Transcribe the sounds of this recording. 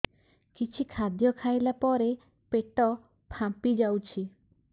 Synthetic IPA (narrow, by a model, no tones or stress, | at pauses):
kit͡ʃʰikʰad̪jɔkʰajlapɔɾe | peʈɔ | pʰãpid͡ʒawt͡ʃʰi